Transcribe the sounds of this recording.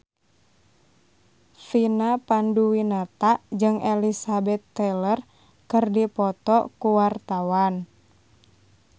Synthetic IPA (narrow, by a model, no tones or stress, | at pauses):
finapanduwinat̪aʔd͡ʒɨŋʔelisabɛt̪ːɛlər | kɨrdipɔt̪ɔkuwart̪awan